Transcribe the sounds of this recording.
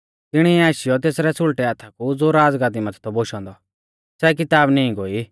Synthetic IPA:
t̪ɪɽ̃iaːʃɪjɔt̪̬eːsɾɛsʊɭʈɛaːt̪ʰakud͡zoɾaːd͡zɡaːt̪̬imɐt̪ʰt̪ɔboʃɔ̃ːnd̪ɔ | sɛk̬ɪt̪aːbnĩĩɡoːi

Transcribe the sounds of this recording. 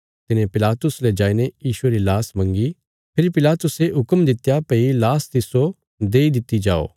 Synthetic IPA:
t̪ɪnẽpɪlaːt̪ʊsled͡ʒaːinejiːʃueɾilaːsmɐ̃ŋɡi | pʰɪɾipɪlaːt̪ʊseɦʊkəmd̪ɪt̪japeilaːst̪ɪso | d̪eːid̪ɪt̪ːid͡ʒa̰ːo̰ː

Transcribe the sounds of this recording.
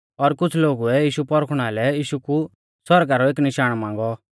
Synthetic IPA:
ɔɾkʊt͡sʰloːɡuɛjiːʃupɔɾkʰɽ̃aːlɛjiːʃuku | sɔɾɡaɾɔeːknɪʃaːɽ̃mãːŋɡɔ

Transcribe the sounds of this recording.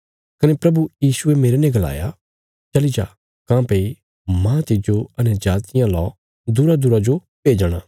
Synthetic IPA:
kɐnɛpɾɐbujiːsʊemeːɾenɛ̃ɡɐla̰ːja | t͡ʃɐlid͡ʒa | kãːpei | mãːt̪ɪd͡ʒoɐnɛd͡ʒaːt̪ɪjãlɔː | d̪ʊɾad̪ʊɾad͡ʒo | beːd͡ʒəɽ̃a̰ː

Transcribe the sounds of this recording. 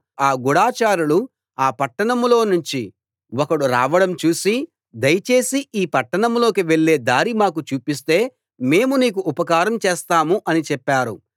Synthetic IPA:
aːɡuɽaːt͡ʃaːɾulu | aːpɐʈːɐɳɐmlo̞ːnuɲt͡ʃi | wɔkɐɽuɾa̰ːʋɐɽɐmt͡ʃuːsi | d̪ɐjɐt͡ʃe̞ːsiiːpɐʈːɐɳɐmlo̞ːkiʋe̞ɭːe̞ːd̪aːɾimaːkut͡ʃuːpis̬t̪e̞ː | me̞ːmuniːk̬uʔːpɐkaːɾɐmt͡ʃeːst̪aːmuʔɐnit͡ʃɛpːaːɾṵ

